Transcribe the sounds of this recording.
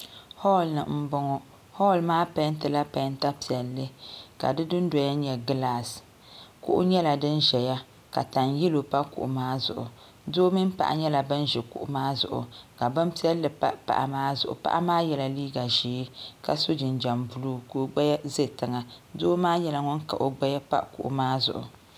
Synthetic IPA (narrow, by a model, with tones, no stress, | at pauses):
hɔ˦˨lnɨ˨m̩˦bɔ˦ŋɔ˦ | hɔ˦˨lmaː˦pɛ˦ntɨ˨la˦pɛ˨˦nta˦pi˨ɛ˨lːɨ˦ka̰˨dɨ˦dɨ˦n˦dɔ˨ja˦ɲɛ˨ɡɨ˦la˨s | kṵ˨ʔʊ̰˦ɲɛ˦la˨dɨ˦nʒɛ˨ja˦ | ka̰˨ta˨nji˦lo˨pa˦kṵ˨ʔʊ̰˨maː˦zʊ̰˨ʔʊ̰˨ | do˦mi˦m˦pa̰˨ʔa̰˨ɲɛ˦la˨bɨ˦n˦ʒɛ˨kʊ̰˨ʔʊ˨maː˦zʊ̰˨ʔʊ̰˨ka˨ba˦m˦pi˦ɛ˦lːɨ˨pa˦pa̰˨ʔa˨maː˦zʊ̰˨ʔʊ̰˨pa̰˦ʔa˦maː˦jɛ˦la˨liː˦ɡa˨ʒiː˨˦ka˨so˦d͡ʒɪ˨nd͡ʒa˨mbu˨lu˦ko˦ɡ͡ba˦ja˦ze˦tɨ˨ŋa˨do˦maː˦jɛ˦la˨ŋɔ˦nka̰˨ʔo˨ɡ͡ba˦ja˦pa̰˦ʔkṵ˨ʔʊ̰˨maː˦zʊ̰˨ʔʊ̰˨